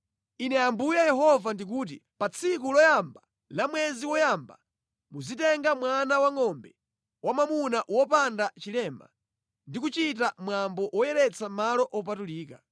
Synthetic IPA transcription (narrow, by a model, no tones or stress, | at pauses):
inɛambujajɛɦɔvandik̬uːt̬ipat͡sʰikulɔjamba | lamwɛziwɔjamba̰ | muzitɛŋɡamwanawaŋɔmbɛ | wamamunaʔwɔpandat͡ʃilɛːma̰ | ndik̬ut͡ʃitamwambɔʔwɔjɛɾɛt͡sʰamalɔʔɔp̬atuliːka̰